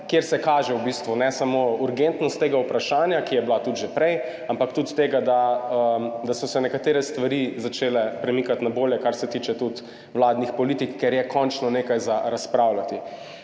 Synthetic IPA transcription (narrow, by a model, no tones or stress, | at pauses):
kjeɾsɛkaːʒɛwbist̪ʋunɛsamouɾɡent̪nɔst̪ːeːɡaupɾaʃaːnjakijɛblat̪ud̪ʒɛpɾɛj | ampakt̪ut̪t̪eːɡad̪aəd̪asɔsɛnɛkat̪eːɾɛst̪ʋaɾizat͡ʃeːlɛpɾɛmikat̪naboljɛkaɾsɛt̪iːt͡ʃɛt̪ut̪ | wlaːd̪nixpɔlit̪ikːɛɾjɛkʰɔnt͡ʃnɔneːkajzaɾaspɾawlat̪i